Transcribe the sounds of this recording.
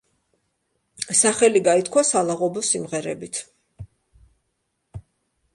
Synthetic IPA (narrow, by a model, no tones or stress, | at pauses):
saχɛliɡait̪kʰwasalˠaʁɔbɔsimʁɛɾɛbit̪ʰ